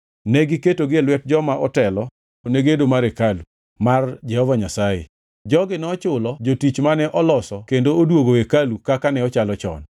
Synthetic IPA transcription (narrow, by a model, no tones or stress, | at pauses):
nɛɡɪketoɡɪɛlwɛt̚d͡ʒɔmaʔɔtɛlɔ | oneɡedomaɾekalu | mard͡ʒɛhɔvaɲasajḛ | d͡ʒɔɡɪnɔt͡ʃʊlɔd͡ʒotit͡ʃmanɛʔɔlɔsɔkendoodwoɡoekalukakanɛɔt͡ʃalɔt͡ʃɔ̰n